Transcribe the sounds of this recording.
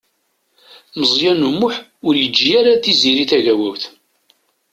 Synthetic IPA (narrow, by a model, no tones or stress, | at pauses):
məzˤjænumʊħʊɾjəd͡ʒːijaɾaθiziɾiθæʝæwæwθ